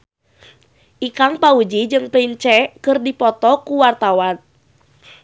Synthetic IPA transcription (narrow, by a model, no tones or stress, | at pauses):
ʔikaŋpaud͡ʒid͡ʒɨŋpənt͡ʃɛkɨrdipɔt̪ɔkuwart̪awan